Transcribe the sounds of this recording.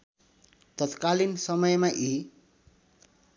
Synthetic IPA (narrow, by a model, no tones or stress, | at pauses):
t̪ʌt̪kalinsʌmʌjmaʔi